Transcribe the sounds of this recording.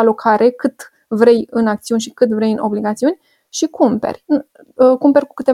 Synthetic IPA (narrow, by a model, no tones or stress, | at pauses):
alo̞kʰaɾʔe̞kɨt̪ | vɾe̞jɨnak̚t̪siunʲʃikɨt̪vɾe̞jɨnʔo̞bliɡat̪siunʲ | ʃikumpe̞̰rʲ | kumpe̞ɾʲku̥kɨt̪e